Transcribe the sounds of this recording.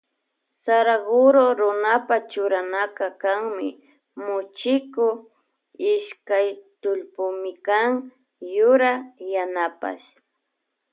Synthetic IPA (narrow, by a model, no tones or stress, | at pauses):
saɾaɢʊɾoɾʊnapat͡ʃʊɾanakakaŋmɪ̰ | mʊt͡ʃɪkʊ | ɪʃkajt̪ʊlpʊmɪkaŋ | jʊɾajanapa̰ʃ